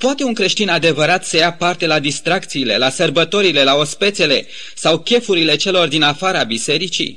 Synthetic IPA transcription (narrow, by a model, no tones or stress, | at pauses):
p̪oat̪e̞unŋkɾe̞ʃt̪inad̪e̞vəɾat̪səjapart̪e̞lad̪ist̪ɾakt̪siːle̞̰lasərbət̪o̞ɾile̞lao̞spe̞t̪se̞le̞ | sawkʲe̞fuɾile̞t͡ʃe̞lo̞rd̪inafaɾabise̞ɾit͡ʃḭ